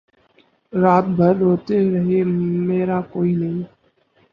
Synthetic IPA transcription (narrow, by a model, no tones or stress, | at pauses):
ɾaːt̪̚bʱəɾɗɦoːt̪eːɾəɦeːmeːɾaːkoːiːnəɦĩː